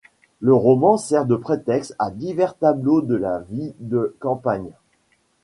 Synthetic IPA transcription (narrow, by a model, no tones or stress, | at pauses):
ləʁɔmɑ̃sɛʁd̪əpχet̪ɛkst̪ad̪ivɛʁt̪ablod̪əlavid̪əkɑ̃paɲ